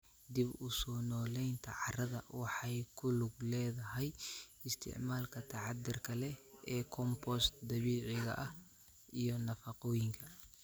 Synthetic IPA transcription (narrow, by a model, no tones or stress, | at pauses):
d̪ibʊsɔːnɔːlɛjnt̪ʰɐ̰ʕɑrɐðɐwɑħɑjkʰʊlʊɡlɛːðɐɦɛjɪst̪ʰɪ̰ʕmaːlkʰɐt̪ʰɑʕɑd̪ɪrkʰɐlɛɛːkʰɔmpɔst̪d̪ɐβiːʕɪɣɐ̰ʔɐh | ʔijɔnɐfɐqɔːjɪŋkʰɐ